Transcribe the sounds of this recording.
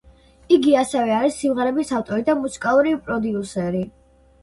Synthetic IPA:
iɡiasɛvɛaɾisːimʁɛɾɛbisaft̪ʼɔɾid̪amusi̥kʼalˠuɾipʼɾɔd̪iusɛɾi

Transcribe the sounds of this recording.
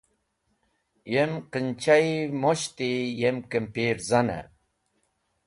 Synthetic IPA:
jemqənt͡ɕajmoɕt̪ijemkempiɾzana̰

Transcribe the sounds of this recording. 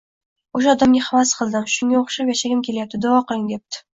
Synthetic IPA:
oʃaɒd̪amɡʲɪhavasqʰɨlˠd̪ɪmʃʊŋɡʲaoχʃapjaʃaɡʲɪmkʲʰe̞lajap̪̚ɪd̪avɒqɨlˠɪŋd̪e̞p̚t̪ʰɪ̥

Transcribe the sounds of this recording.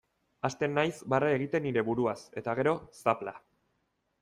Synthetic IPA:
ast̪e̞nːajsbarae̞ɣ̞it̪e̞nːiɾe̞βuɾuase̞t̪aɣ̞e̞ɾo̞sapla

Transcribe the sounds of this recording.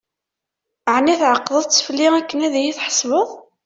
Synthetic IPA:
ʕnːæθʕəqːðˤəðˤt͡sːfəlːiækːənæðæjiθħə̥sˤvəðˤ

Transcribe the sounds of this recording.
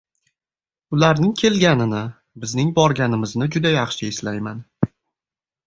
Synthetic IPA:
ʊlaɾnɪŋkʲʰe̞lɡʲanɪnɪ | bɪznɪŋbɒɾɡʲanɪmɪznɪd͡ʒʊd̪ajɑχʃɪɪslajman

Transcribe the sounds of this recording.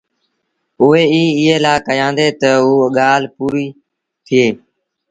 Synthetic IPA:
ʊeːiːɪːeːlaːkəjãːnd̪eːt̪əuːɠaːl̤puːɾiː | t̪ʰɪeː

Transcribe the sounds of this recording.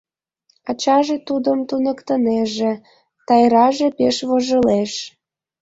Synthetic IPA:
ɑt͡ɕɑʒet̪ud̪əmt̪unəkt̪əneʒĕ | t̪ɑjɾɑʒepeʃβoʒəleʃ

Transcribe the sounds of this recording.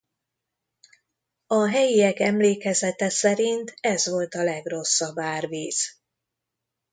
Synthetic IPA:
ɒɦɛjiɛkɛmleːkɛzɛt̪ɛsɛɾint̪ʰɛzʋo̞lt̪ɒlɛɡro̞sːɒbaːrviːz̥

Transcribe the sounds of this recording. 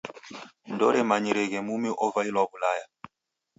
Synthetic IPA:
ndɔɾɛmaɲiɾɛɣɛmumiʔɔvailwaβulaja

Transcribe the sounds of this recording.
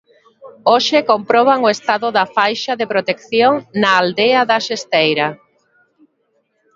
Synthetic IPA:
oʃɪkompɾɔβ̞aŋʊest̪aðʊðɐfajʃaðepɾot̪ekθjoŋnaːld̪eaðɐʃest̪ejɾa

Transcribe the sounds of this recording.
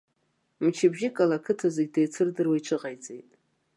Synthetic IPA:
mt͡ʃʰɪbʒɪkʼalakʰɨtʰazeɡ̚ʲdejt͡sʰɨrdɨrwajʈ͡ʂʷʰɨʁajt͡sʼe̞jtʼ

